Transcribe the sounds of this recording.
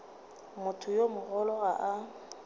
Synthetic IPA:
mʊtʰʊjomʊɣɔlɔaʔa

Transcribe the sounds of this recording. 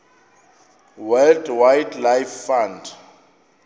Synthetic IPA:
wɛldwajdlajfːãnd

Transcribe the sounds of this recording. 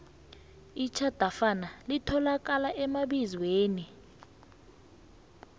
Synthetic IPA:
it͡ʃʰad̥ʱafanalitʰɔlakalaʔɛmaɓizweːni

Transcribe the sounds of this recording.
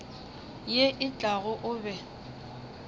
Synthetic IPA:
jeʔɪt͡ɬʼaɣʊʔʊːbɛ

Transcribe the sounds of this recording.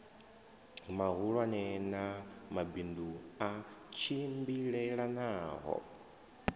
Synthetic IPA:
maɣuɺwanɛnamabinduat͡ʃʰimbiɺɛɺanaːɦɔ̰

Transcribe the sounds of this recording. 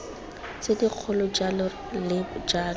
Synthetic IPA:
t͡sediq͡χʰʊlɔd͡ʒalɔ | lɪd͡ʒaː

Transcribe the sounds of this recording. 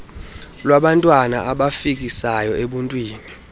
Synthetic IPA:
lwaɓantʼwana̰ʔaɓafik̬isajɔʔeɓuntʼwiːni

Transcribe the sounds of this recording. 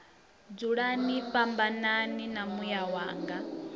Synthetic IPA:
d͡zuɺaniɸambananinamujawaːŋɡa

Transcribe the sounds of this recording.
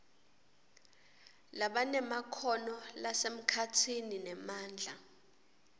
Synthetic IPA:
laɓanɛmakʰɔnɔlasem̩kʰatʰininɛmaːnd͡ɮʱa̰

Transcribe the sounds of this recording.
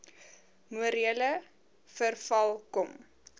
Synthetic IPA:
nuəɾiələ | fərfɐlˠkɔm

